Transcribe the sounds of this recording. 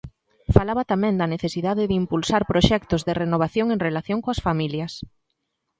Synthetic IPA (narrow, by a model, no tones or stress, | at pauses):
falaβɐt̪amɛ̃ŋd̪ɐneθesiðaðɪðimpulsaɾpɾoʃɛkt̪ʊzðɪrenoβ̞aθjoŋeŋrelaθjoŋkoɐsfamiljɐs